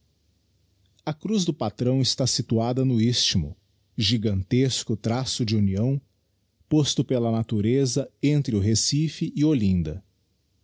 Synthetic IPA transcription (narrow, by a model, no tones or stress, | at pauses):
ɐkɾuzd̪ʊpat̪ɾɐ̃w̃ɪst̪asit̪uad̪ɐnʊist͡ʃimʊ̰ | ʒiɡɐ̃nt̪eskʊt̪ɾasʊd͡ʒɪuniɐ̃w̃ | post̪ʊpelɐnat̪uɾezɐẽnt̪ɾɪʊɦesifɪʔɪolĩnd̪ɐ̰